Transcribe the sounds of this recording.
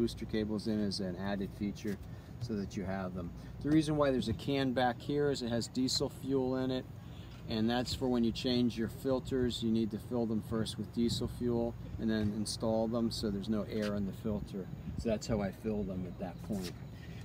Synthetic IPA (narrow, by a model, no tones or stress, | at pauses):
ʉstə˞kʰeɪbl̩ˠzɨ̃nɪzɨ̃næɾɨd̥fit͡ʃə˞ | soʊðɨt͡ʃɨəvðə̃m | ðɨɹizɨ̃nwaɪðə˞zɨkʰæ̃nbækhiɹɨzɨt̚hɨzdisl̩ˠfjulˠɪ̃nɪt̚ | ɨ̃nðætsfə˞wə̃njɨt͡ʃʰẽɪ̃nd͡ʒjə˞fɪlˠtʰə˞zjɨnid̚tɨfɪlˠðə̃ɱfɜ˞st̚wɨðdisl̩ˠfjulˠɨ̃nðɨ̃nɨ̃nstɔlˠðə̃msoʊðə˞znoʊʔɛɹɨ̃nðɨfɪlˠtʰə˞soʊðætshaʊaɪfɪlˠðə̃mɨt̪̚ðɨt̚pʰɔ̃ɪ̃nt̚